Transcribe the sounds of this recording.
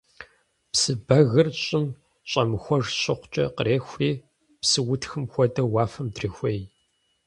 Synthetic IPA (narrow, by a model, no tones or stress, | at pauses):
psɨbɐɣɨrɕʼɪm | ɕʼɐmɨxʷɔʐɕʼɪqʷt͡ʃʼɐ̰qəɾeːxʷiː | psɨwʊtʰxɨmxʷɔdɐwaːfɐmdrixʷej